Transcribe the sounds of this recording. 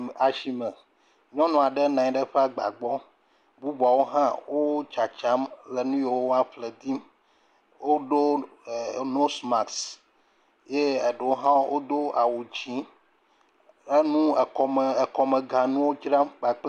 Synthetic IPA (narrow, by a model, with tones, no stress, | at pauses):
a˨ʃi˨mɛ˨ | ɲɔ̃˦nɔ̃˨a˨ɖɛ˦nã˨ɲ˨˦ɖɛ˦ɸe˦a˨ɡ͡ba̰˨ɡ͡bɔ˦ | bu˦bɔ˨wo˦ɦã˦wo˦t͡ʃa˨t͡ʃa˦mlɛ˨nũ˦je˨wo˦o˦a˦ɸle˨d̪i˦m | wo˦ɖo˦˨ | no˦sma˨ks | je˦e˨ɖe˨wo˦ɦã˦wo˦d̪o˦a˨wo˨d͡ʑi˦ | e˦nũ˦˨ɔ˨m˨kɔ˨mɛ̃˨ɡa˨nũ˦wo˦d͡ʒɾã˦mɡ͡ba˨k͡p